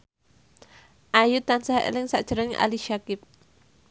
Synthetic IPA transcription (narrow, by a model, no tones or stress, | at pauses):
ʔajut̪ːansahʔḛlɪŋsaʔd̥ʒ̥əɾəŋʔa̰liʃakɪp̚